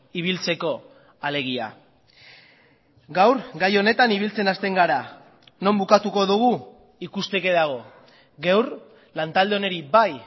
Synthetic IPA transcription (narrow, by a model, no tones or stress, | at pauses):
iβ̞ilt͡se̞ko̞ | ale̞ɣ̞ia̰ | ɡawɾɡajo̞ne̞t̪aniβ̞ilt͡se̞nast̪e̞ŋɡaɾa | no̞mbukat̪uko̞ðuɣ̞u | ikust̪e̞ke̞ðaɣ̞o̞ | ɣewr | lant̪ald̪e̞o̞ne̞ɾibaj